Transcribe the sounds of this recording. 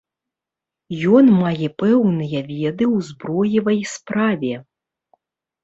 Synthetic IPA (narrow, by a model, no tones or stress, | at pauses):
jɔnmajɛpɛwnɨjɐvʲɛd̪ɨwzbɾɔjivɐjspɾavʲɛ